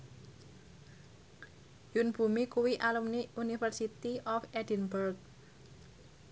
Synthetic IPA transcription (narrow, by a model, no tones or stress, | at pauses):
junb̥ṳmikuwiʔalumniunifərsit̪iʔɔfɛdi̤nbɔrk̚